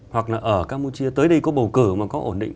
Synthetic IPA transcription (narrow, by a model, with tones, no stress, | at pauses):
hwa˨˩k̚laː˨˩ʔəː˧˩kaː˧mu˧t͡ɕi˧ət̪əː˨˦jɗə˧jkɔ˨˦ɓə˨˩wkɨ˧˩maː˨˩kɔ˨˦ʔo̰˧˩nɗḭ˧˨ŋ